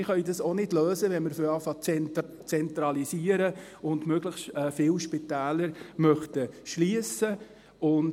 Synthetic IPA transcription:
ɪχœʏdɑsonɪdløːsəʋɛnmɪɾføɾɑːfɑt͡sɛn | t͡sɛnt̪ɾɑlisiːəɾə | ʊndmøɡləχtɛːfɪwʃpɪt̪æːləɾmœχtəʃliəsə | ʊn

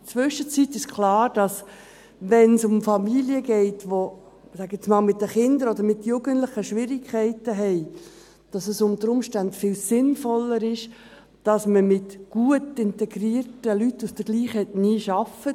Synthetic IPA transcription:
t͡sʋʏʃət͡sitːɪʃkʰlɑːɾd̥ɑs | ʋɛnsʊmfɑmiliəɡɛɪtʋo | sæɡɪt͡smɑːlmɪt̚dəχɪndəɾɔdəɾmɪtjʊɡəntlɪχəʃʋɪɾɪkʰχɛɪtəɦɛɪ | d̥ɑsəsʊntəɾʊmʃtæntfɪlsɪnfɔlːəɾɪʃ | d̥ɑsməmɪtɡ̥uətɪntɛɡɾiːrtəlytːusd̥əɡ̥liːχɛtniːʃɑfə

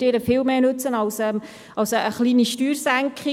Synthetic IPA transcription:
d̥ɪːɾəfɪlmeːnɵt͡sənɑlsɛːm | ɑlsəəχliːniʃtyːɾsæŋkχɪ

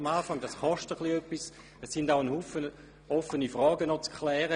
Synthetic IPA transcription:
maːfɑŋd̥ɑsχɔʃtəχliœpːis | ɛsːɪndaʊənhuːfən | ɔfənifʁɔːɡənɔt͡skʰlɛːʁə

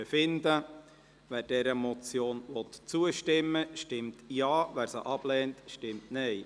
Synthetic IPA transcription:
əfɪnd̪ə | ʋæːɾd̥ɛɾəmɔt͡sjoːnʋɔt̪t͡suəʃtɪmːəʃtɪmtjɑːʋæːɾsəʔɑb̥lɛːntʃtɪmtnɛɪ

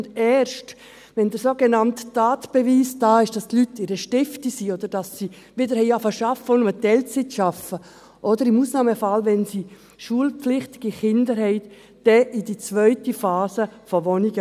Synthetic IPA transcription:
dɛːɾʃt | ʋɛndəɾsoːɡɛnɑmtːaːtb̥ɛviːsdɑːɪʃd̥ɑstlytːɪɾəʃtɪftisiːɔd̥əɾd̥ɑsːi | ʋɪdəɾhɛɪɑfəʃɑfəʊndmətɛlt͡sitʃɑfə | ʔɔdəɾɪmuːsnɑːməfɑlʋɛnsi | ʃuəlpflɪχt̪ɪ̥ɡ̥iχɪndəɾhɛɪ | d̥ɛʔidit͡sʋœʏtifaːsəfɔʋɔniɡə

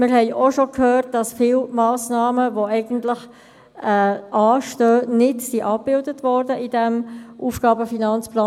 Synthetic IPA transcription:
mɪɾhɛɪʔoʃokʰhøːrt̚d̥ɑsfɪlmɑːsnɑːməʋoɛɪɡəntlɪχ | ɛʔɑːʃtøːnɪtsiʔɑp̚b̥ɪldətʋɔːɾdəʔidɛmʔuːfɡ̥ɑːbəfinɑnt͡splɑː

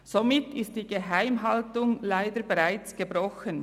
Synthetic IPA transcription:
z̥omɪtʰɪst̚d̥iːɡeɦaɪmɦɑltʊŋlaɪdəɾbeʁaɪt͡sɡ̥əbʁɔxən

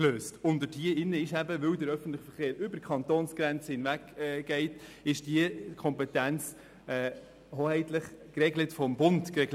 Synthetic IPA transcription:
løːstʊndədiəɪnːəɪʃæbəʋœwdəɾœfən̩tləχfəɾχeːɾʏbəɾkʰχɑntoːnsɡ̥ɾɛnt͡səhɪnvækɛɡ̥ɛɪtɪʃd̥iəkʰɔmpɛtænt͡s | ɛː | hoːhɛɪtləχkrɛɡlətfɔmbʊnd̥krɛɡl

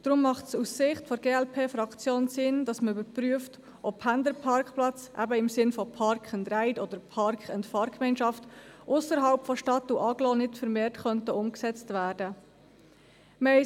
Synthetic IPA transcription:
d̥ɾʊmːɑχtsusːɪχtfɔɾɡ̥eːɛlpʰeːfɾɑkt͡sjoːnsɪnd̥ɑsməybəɾpɾyəft | ʔɔphændəɾpʰɑɾkχplɑt͡sʔæ̰bəɪmsɪnfɔpʰɑɾkχəndɾæɪdɔdəɾpʰɑɾkχɛntfɑːɾkmɛɪnʃɑftʔʊsəɾɦɑlpfɔʃtɑtːuʔɑɡlɔnɪtfəɾmeːɾtχœntəʊmksɛt͡stvæːɾd̥ə | mɛ

